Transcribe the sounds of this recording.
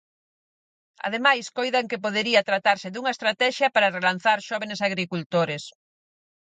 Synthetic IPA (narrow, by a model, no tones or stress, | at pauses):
ɐ̰ðemajskojðaŋkepoðeɾiɐt̪ɾat̪aɾsɪðuŋɐest̪ɾat̪ɛʃjɐpaɾarelan̟θaɾʃɔβenesaɣɾikult̪oɾes